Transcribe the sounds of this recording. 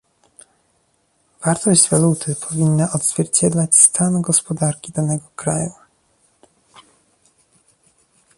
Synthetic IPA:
v̥aɾt̪ɔʑd͡ʑvalut̪ʰɘpʰɔvʲinːaʔɔd̪zvʲjɛɾt͡ɕɛd̪lat͡ɕst̪ʰanɡɔspɔd̪aɾkʲid̪anɛɡɔkɾa̰ju

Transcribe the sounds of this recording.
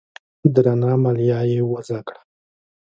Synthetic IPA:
d̪ɾanɑmaljɑjewəzakɽḁ

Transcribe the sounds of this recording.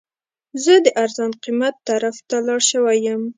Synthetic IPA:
zəd̪əʔaɾzɑnqimat̪ːaɾaft̪alɑɽʃəwajəm

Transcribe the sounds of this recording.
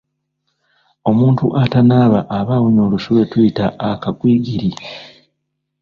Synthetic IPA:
o̞muːntuʔatanaːβaʔːβawuɲo̞ːlusuβe̞tuitaʔːkakwiːɡiɾi

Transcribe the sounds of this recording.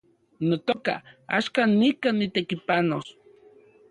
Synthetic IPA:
not̪oka̰a̰ʃkanːikanːit̪ekipanos

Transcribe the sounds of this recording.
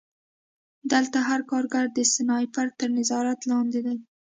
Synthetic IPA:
d̪əlt̪aɦaɾkɑɾɡaɾd̪əsɪnɑjpaɾ̚t̪əɾnɪzɑɾat̪lɑnd̪ɪd̪aj

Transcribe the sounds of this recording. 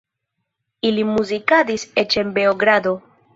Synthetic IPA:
ilimuzikadiset͡ʃenbe̞oɡɾad̪o̞

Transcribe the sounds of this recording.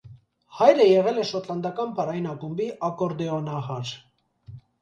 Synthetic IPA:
hɑjɾəjɛʁɛlɛʃɔt̪lɑnd̪ɑkɑnpɑrɑjinɑkumbiʔɑkɔɾd̪ɛɔnɑɦɑɾ

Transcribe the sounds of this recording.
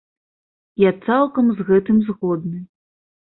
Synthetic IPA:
jat̪salˠkɐmzɣɛt̪ɨmzɣɔd̪nɨ

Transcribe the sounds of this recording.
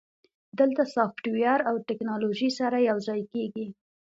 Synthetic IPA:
d̪əlt̪asɑfʈwjɑɾawʈɪknɑloʒisaɾajawzɑjkeɡi

